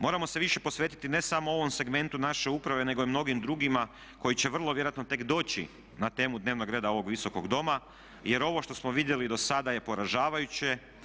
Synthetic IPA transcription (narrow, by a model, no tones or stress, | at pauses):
mo̞ɾamo̞se̞ʋiʃe̞po̞sʋe̞ːt̪i̥t̪ine̞samoo̞ʋo̞mse̞ɡme̞nt̪unaʃe̞upɾaʋe̞ne̞ɡo̞imno̞ɡimd̪ɾuɡima | ko̞jit͡ɕe̞ʋr̩lˠo̞ʋjeɾjat̪not̪e̞kd̪o̞ːt͡ɕḭ | nat̪e̞ːmud̪ne̞ːʋno̞ɡɾe̞ːd̪ao̞ʋo̞ɡʋiso̞ko̞ɡd̪o̞ma | je̞ɾo̞ʋo̞ʃt̪o̞smoʋid̪je̞lid̪o̞sad̪aje̞po̞ɾaʒaːʋajut͡ɕe̞